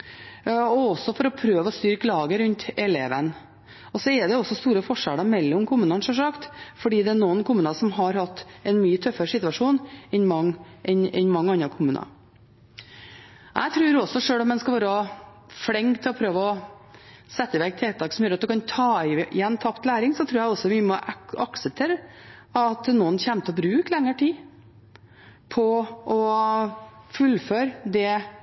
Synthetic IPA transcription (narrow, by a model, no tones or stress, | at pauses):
ɔɔsːɔfɔɾɔpʰɾøːʋəɔst̪yːɾkʰlɑːɡəɾʉnt̪ɛleːʋən | ɔsɔɛɖɛɔsːɔst̪uːɾəfɔʂɛləɾmɛlːɔmkʰʊmʉːnɑnʂɔʂɑkt̪fɔɖiːd̪ɛænuːənkʰʊmʉːnɑsɔmɦɑɾhɑt̪ːɛɪnmyːət̪ʰœfːəɾəʂɪt̪ʉɑʂuːnɛnmɑŋːʔɛnɛ̰nmɑŋːəɑnɾɑkʰʊmʉːnɑ̰ | ʔæ̰ɪt̪ʰɾʉːɾɔsɔʂøːlɔmːɛnskɑlʋɑːɾ | fɽɛŋt̪ʰɪlɔpʰɾøːʋəɔ | sɛt̪ːəɪʋɛk̚t̪ʰeːt̪ʰɑːksɔmjøɾɑt̪d̪ʉkʰɑnt̪ʰɑːɪɪ̰jɛnːt̪ʰɑpt̪læːɾɪŋsɔt̪ʰɾuːɾæɡɔsɔʋɪmɔʔɑ̰ksəp̚t̪ʰeːɾəɑt̪nuːənçæːmt̪ʰəɔbɾʉːklɛŋːəʈʰiː | pʰɔʔɔ | fʉlføːɾd̪ɛ